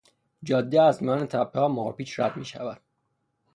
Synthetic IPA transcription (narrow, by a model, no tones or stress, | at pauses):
d͡ʒɒːd̪ːeæzmijɒːnet̪ʰæpʰːehɒːmohɒ̰piːʃɾæd̪miːʃævæd̪̥